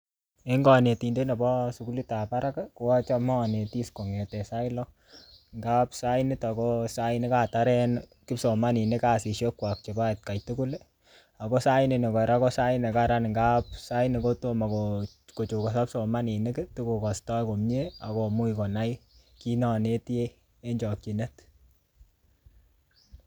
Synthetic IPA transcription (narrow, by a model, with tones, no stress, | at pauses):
e˦ŋɡɔ˨ne˨ti˨nde˦na˨bɔ˦su˨ku˦li˦ta˨pa˦ɾa˦kako˨ɔ˦t͡ʃɔ˦mɔ˦˨ne˨ti˦sko˨ŋe˨tɛ˨sa˦ilɔ | ŋɡa˦psa˦jnɪ˦ta˨kosa˦jɪ˦ne˦ka˦taɾɛ˦nkɪ˦pso˨ma˦ni˨ne˦ka˨si˨ʃo˦kwa˨k̚t͡ʃe˨ba˦t̚ka˨jtu˦ku˦le˦ | a˨ko˦sa˦jɪne˨ne˨kɔ˨ɾa˦ko˦sa˦ne˨kaɾanŋɡa˦p̚sa˦jini˨ko˦to˦ma˨ko | ko˨t͡ʃu˨kɔ˨sa˦pso˨ma˦ni˨ne˦ktu˦ku˨kɔ˨stɔ˦jko˨mɲe˦a˨ko˨mu˦jkɔ˨na˦j | ki˦nɔ˨ne˦te˦ | e˦ɲd͡ʒɔ˨k̚t͡ʃi˨ne˦t